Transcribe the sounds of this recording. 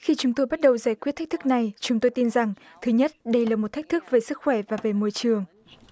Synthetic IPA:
xi˧t͡ɕʊ˨˦ŋ͡mt̪o˧jɓa˦˥t̚ɗə˨˩wzaː˧˩jkwi˦˥t̪ʰːk̚t̪ʰɨ˦˥k̚na˨˩jt͡ɕʊ˨˦ŋ͡mt̪o˧jt̪i˧nza˨˩ŋ | t̪ʰɨ˨˦ɲə˦˥t̚ɗə˧jlaː˨˩mo˨˩t̚t̪a˦˥k̟̚t̪ʰk̚ve˨˩sɨ˦˥k̚xwɛ˧˩vaː˨˩ve˨˩mo˧˨jt͡ɕɨ˨˩əŋ

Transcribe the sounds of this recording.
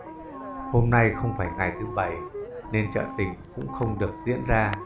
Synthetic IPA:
ho˧mna˧jxə˧wŋ͡mfaː˧˩jŋa˨˩jt̪ʰɨ˨˦ɓə˧˩jne˧nt͡ɕə̰ː˧˨nt̪ï˨˧˩ŋ̟kʊ̰˧˥ŋ͡mxə˧wŋ͡mɗɨ˨˩ək̚zḭ˧˥ənzaː˧

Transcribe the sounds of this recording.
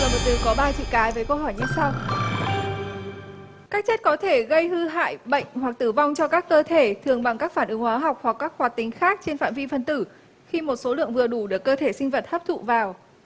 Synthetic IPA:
ɨː˨˩ɓə˨˩t̪ɨ˨˩kɔ˨˦ɓaː˧t͡ɕḭ˧˨kaː˨˦jvəː˨˦jkə˧ɦɔ˧˩jɲɨ˧sa˧w | kaː˦˥k̚t͡ɕe˦˥t̚kɔ˨˦t̪ʰe˧˩ɣə˧jhɨ˧ɦa̰ː˧˨jɓə̰˧˨jŋ̟hwa˨˩k̚t̪ɨ˧˩va˧wŋ͡mt͡ɕɔ˧kaː˦˥kːəː˧t̪ʰe˧˩t̪ʰɨ˨˩əŋɓa˨˩ŋkaː˦˥k̚faː˧˩nʔɨ˨˦ŋhwaː˨˦ɦa˨˩wk͡p̚hwa˨˩kːaː˦˥k̚hwaː˨˩t̚t̪ï˨˦ŋ̟xaː˦˥k̚t͡ɕe˧nfa̰ː˧˨nvi˧fə˧nt̪ɨ˧˩ | xi˧mo˨˩t̚so˨˦lɨ̰˧˨əŋvɨ˨˩əɗu˧˩ɗɨ˨˩əkːəː˧t̪ʰe˧˩sï˧ŋ̟və˨˩t̚ha˦˥p̚t̪ʰṵ˧˨vaː˨˩w

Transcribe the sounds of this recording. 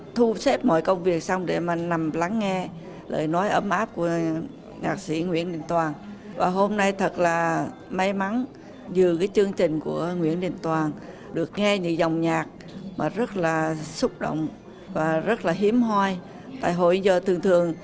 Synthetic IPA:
t̪ʰu˧se˦˥p̚mɔ̰˧˨jkə˧wŋ͡mvi˨˩ək̚sa˧wŋ͡mɗe˧˩maː˨˩na˨˩mla˨˦ŋːɛ˧ | lə̰ː˧˨˩jnɔ˨˦jʔə˧˩mʔaː˦˥p̚ku˧˩ə | ɲaː˨˩k̚sḭ˧˩ŋwḭ˧˥ənɗi˧˨˩nt̪waː˨˩nvaː˨˩ɦo˧mna˧jt̪ʰə˨˩t̚laː˨˩ | ma˨˦jma˨˦n | zɨ˨˩kaː˨˦jt͡ɕɨ˧əŋt͡ɕï˨˩ŋ̟ku˧˩əŋwḭ˧˥ənɗḭ˨˩nt̪waː˨˩n | ɗɨ˨˩ək̚ŋɛ˧ɲɨ̰˧˥ŋza˨˩wŋ͡mɲaː˨˩k̚ | maː˨˩zə˦˥t̚laː˨˩sʊ˦˥k͡p̚ɗo̰˧˨wŋ͡m | vaː˨˩zə˦˥t̚laː˨˩ɦi˨˦əmɦwaː˧j | t̪a̰ː˧˨jɦo̰˧˨jzəː˨˩t̪ʰɨ˨˩əŋt̪ʰɨ˨˩əŋ

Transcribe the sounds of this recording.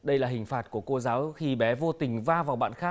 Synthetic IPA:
ɗə˧jlaː˨˩ɦï˨˩ŋ̟faː˨˩t̚ku˧˩əko˧zaː˨˦wxi˧ɓɛ˨˦vo˧t̪ï˨˩ŋ̟vaː˧vaː˨˩wɓa̰ː˧˨nxaː˦˥k̚

